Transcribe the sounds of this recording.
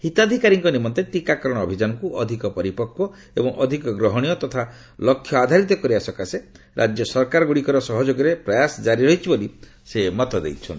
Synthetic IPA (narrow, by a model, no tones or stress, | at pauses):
hit̪ad̪ʱikaɾiŋkɔnimɔnt̪eʈikakɔɾɔɽ̃ɔːbʱid͡ʒanɔŋkuʔɔd̪ʱikɔpɔɾipɔkːɔ | ebɔŋɔ̰d̪ʱikɔɡɾɔɦɔɽ̃ijɔt̪ɔt̪ʰa | lɔkʰːjɔad̪ʱaɾit̪ɔkɔɾiasɔkase | ɾʔa̰d͡ʒjɔsɔɾkaɾɔɡuɽikɔɾɔsɔɦɔd͡ʒoɡɔɾepɾɔjasɔd͡ʒaɾiɾɔɦit͡ʃʰiboli | semɔt̪ɔd̪ḛjt͡ʃʰɔn